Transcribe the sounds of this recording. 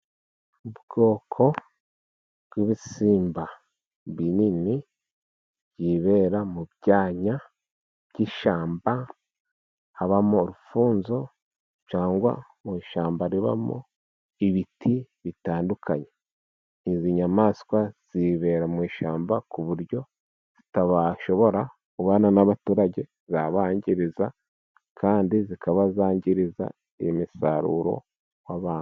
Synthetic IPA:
ubɡo̞ːkʰo̞ | bɡiβisiːmba | βinini | ɟiːβe̞ːɾamubɟaːɲa | b̥ɟiːʃaːmba | haβamoːɾufuːnzo̞ | t͡ʃaːŋɡwa̰ | mwiːʃaːmbaɾiβa̰mo̰ | iβitʰi | βitaːndukʰaɲe | iziɲamaːskwaz̥iβe̞ɾamwiːʃaːmbakuβuɾɟo̞ | z̥itaβaʃo̞βo̞ɾa | uβaːnanaβatuːɾaɟe̞ | zaβaːɲɟiɾiza | kʰaːndizikaβazaːɲɟiɾiza̰ | imisaɾṵɾo̞̰ | waβaːnu

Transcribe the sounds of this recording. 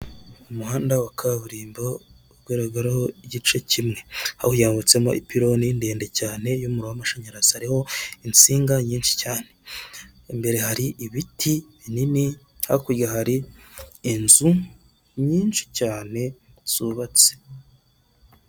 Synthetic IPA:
umuhaːndawakʰaβuɾiːmbo | βɡwiɾaɡaɾahoiɟit͡ʃecimŋe̞ha̰hujaːβut͡se̞mo̞̰ʔipiɾo̞nindeːndecaːne̞jomuɾowamaʃaɲaɾazihaɾiho̞int͡siːŋɡaɲiːnʃi̥caːne̞̥ | embe̞ɾe̞haɾiʔiβitʰiβinini | ha̰kuɾɡahaɾiː | nzu | ɲiːnʃi̥caːne̞ | z̥uβat͡se̥

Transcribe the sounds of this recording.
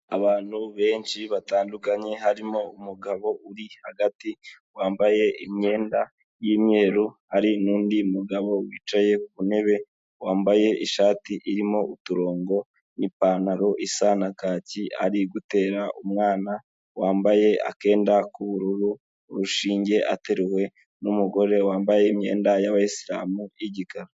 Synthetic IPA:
aβaːn̥huβe̞ːnʃiβataːndukaɲe̞ɦaɾimo̞umuɡaβo̞uɾihaɡati | waːmbaje̞ʔimɲe̞ːnda | jiːmɲe̞ːɾuhaɾinuːndiumuɡaβo̞wḭːt͡ʃaje̞kuβune̞βe̞ | waːmbaje̞iʃaːtiʔiɾimo̞ʔutuɾo̞ːŋɡo̞ | nipaːnaɾo̞ʔisanakaːcia̰ɾiɡute̞ːɾaʔumŋaːna | waːmbaje̞ʔa̰ke̞ːndakuβuɾuɾu | ɾuʃiːɲɟe̞ʔa̰te̞ɾewe̞ | numuɡo̞ɾe̞waːmbaje̞imɲe̞̰ːndajaβajisiɾa̰ːmujiɟikaɾo

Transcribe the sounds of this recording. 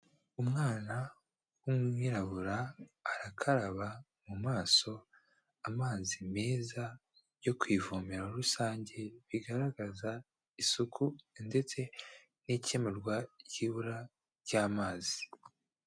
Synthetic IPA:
umŋaːna | wumŋiːɾaβuɾaːɾakʰaɾaβa | mumaːso̞ | amaːzime̞ːza | jo̞kwivomeɾauɾusaːɲɟe̞βiɡaɾaɡaza | isukʰunde̞t͡se̞ | nice̞meɾɡwajiːβuɾa | ɾɟaːmaːzi̥

